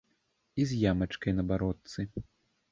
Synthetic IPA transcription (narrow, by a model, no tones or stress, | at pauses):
izʲjamɐt͡ʂkɐjnɐbaɾɔt̪sɨ